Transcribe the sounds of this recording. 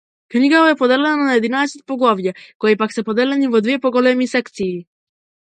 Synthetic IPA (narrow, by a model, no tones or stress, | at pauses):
kniɡavɔɛpod̪ɛlɛnanaɛd̪inaɛsɛt̪̚poɡlˠɔvjakoipaksɛpɔd̪ɛlɛnivɔd̪viɛpɔɡɔlɛmisɛkt̪siː